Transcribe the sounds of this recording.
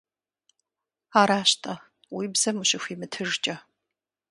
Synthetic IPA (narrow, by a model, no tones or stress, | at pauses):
aːɾaːɕtʰʼɐ | wiːbz̥ɐmɨɕɪxʷiːmɨtʰɨrt͡ʃʼɐ